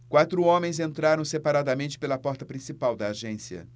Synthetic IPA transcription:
kwat̪ɾʊõmẽj̃zẽnt̪ɾaɾɐ̃w̃sepaɾad̪ɐmẽnt͡ʃɪ̥pelɐpɔɾt̪ɐpɾĩsipawd̪ɐːʒẽsiɐ̰

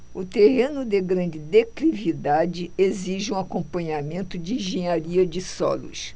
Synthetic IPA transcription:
ʊt̪ehẽnʊd̪eɡɾɐ̃nd͡ʒɪd̪eklivid̪ad͡ʒɪeziʒɪũakõpɐ̃ɲamẽnt̪ʊd͡ʒɪĩʒẽɲaɾiɐd͡ʒɪsɔ̰lʊ̰s

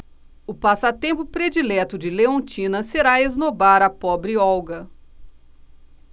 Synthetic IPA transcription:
ʊpasɐt̪ẽmpʊpɾed͡ʒilɛt̪ʊd͡ʒɪleõnt͡ʃĩnɐseɾaeznobaɾɐpɔbɾɪɔwɡɐ

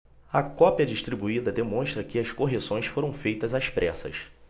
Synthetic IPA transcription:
ɐkɔpiɐd͡ʒiʃt̪ɾibuid̪ɐd̪emõʃt̪ɾɐkɪɐskoɦesõj̃sfoɾɐ̃w̃fejt̪ɐzaspɾʔɛsɐ̰s

